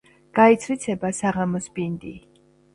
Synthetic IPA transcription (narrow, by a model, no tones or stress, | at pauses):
ɡ̥ait̪sʰwit̪sʰɛbasaʁamɔsbind̪i